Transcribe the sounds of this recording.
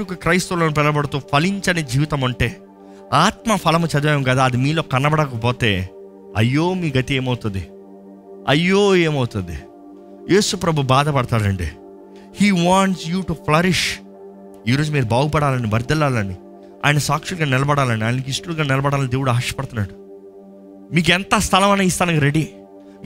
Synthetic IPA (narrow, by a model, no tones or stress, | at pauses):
ukukɾɐjst̪uloːnip̬ɛlɐbɐɽut̪uːpʰɐliɲt͡ʃɐnid͡ʒiːʋit̪ɐmɐɳʈe̞ː | aːt̪mɐpʰɐlɐmut͡ʃɐd̪ʋɐːjɐmɡaːd̪aːɐd̪imiːlo̞ːkɐnːɐbɐɽɐkɐpoːt̪e̞ː | ɐ̰jːo̞ːmiːɡɐt̪ie̞ːmɐwut̪und̪i | ɐ̰jːoːe̞ːmɐwut̪und̪ḭ | je̞ːsupɾɐbʱubaːd̪ɐpɐɽt̪aːɾɐɳɖḭ | hiːʋaːɳʈsjuːʈupʰlɐɾiʃ | iːɾo̞ːd͡ʒumiːɾubaːɡupɐɽaːlɐnibɐɾd̪ɐlaːlɐni | a̰ːjɐnɐsaːkʂɐlɡaːnɛlɐbɐɽaːlɐniaːjnɐk̬isʈuːlɡaːnɛlɐbɐɽaːlɐnid̪e̞ːʋuɽuaːɐʃɐ̥pɐɽt̪unːaːɽu | miːk̬ɛnt̪ɐst̪ʰɐlɐmɐneːist̪aːnɐɡɐɾeɖi